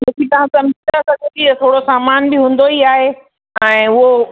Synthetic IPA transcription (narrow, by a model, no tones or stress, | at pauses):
nɐ̃ːkit̪ɐʋ̤ãsɐ̃md͡ʑɪ̃nd̪asɐɡʱet̪iɐt̪ʰoːɽosaːmaːnbɪɦũːn̆d̪oiaːɦe | ɛ̃ːʊɦo